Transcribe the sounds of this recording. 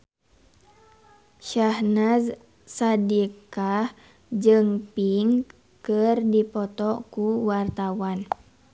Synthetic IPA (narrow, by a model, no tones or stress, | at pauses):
ʃahnaz | sadikah | d͡ʒɨŋpiŋ | kɨrdipɔt̪ɔkuwart̪awan